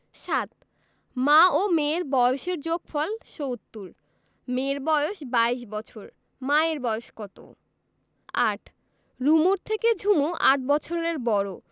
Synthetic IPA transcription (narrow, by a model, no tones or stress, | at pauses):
ʃat̪̚ | maomeɾbɔjoʃeɾd͡ʑoɡfɔlʃowt̪ːuɾ | meɾbɔjoʃbaiʃbɔt͡ɕʰoɾ | maeɾbɔjoʃkɔt̪o̰ | a̰ʈʰ | ɾumuɾt̪ʰeked͡ʑʱumoʔaʈ̚bɔt͡ɕʰoɾeɾbɔɾo